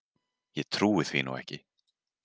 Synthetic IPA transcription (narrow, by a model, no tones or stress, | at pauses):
jɛt̪ʰɾuːɪθvinṵwɛ̰hcɪ